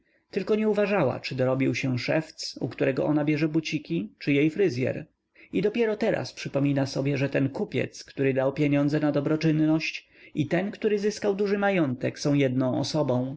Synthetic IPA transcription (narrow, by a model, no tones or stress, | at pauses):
t̪ɘlkɔɲɛuvaʐawa̰t͡ʂɘd̪ɔɾɔbʲiwɕɛʂɛft̪sṵkt̪uɾɛɡɔ̰ʔɔnabʲjɛʐɛbut͡ɕikʲit͡ʂɘjejfɾɘzʲjɛ̰ɾ | id̪ɔpʲjɛɾɔt̪ɛɾa̰spʂɘpɔmʲinasɔbʲjɛʐɛt̪ɛnkupʲjɛ̰t̪skt̪uɾɘd̪awpʲjeɲɔnd̪zɛnad̪ɔbɾɔt͡ʂɘnːɔɕt͡ɕ | it̪ɛnkt̪uɾɘzɘskawd̪uʐɘmajɔnt̪ɛksɔ̃w̃jɛd̪̚nɔ̃w̃ɔ̰sɔbɔ̃w̃